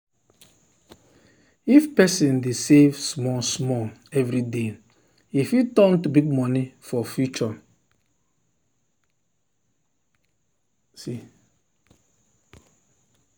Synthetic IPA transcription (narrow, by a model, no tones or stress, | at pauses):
ifpɛsĩndesevsmɔsmɔɛvɾide | ifjutɔ̃ntubiɡ̚mɔnifɔfjut͡ʃɔ | si